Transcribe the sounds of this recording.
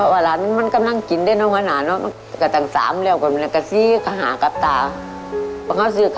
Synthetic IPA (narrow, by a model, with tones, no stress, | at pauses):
pʰɔ˧˩waː˧˩laː˨˦n˧ma˧˥˨nka˨˦mla˧˨ŋki˨˦nda˧˩˨jnɔ˧˨kʰa˧naː˨˩˦nɔ˧˥m˧˥ | ka˧˩t̪aː˨˩ŋsa̰ː˨˦mlɛː˧˩˨wka˧˩m˧˨˧ka˧˩si˧˦kʰa˧˩ɦaː˨˦ka˧˦p̚t̪aː˨˩ | bʰɔ˧˨ha˧˩˨wsi˧kʰ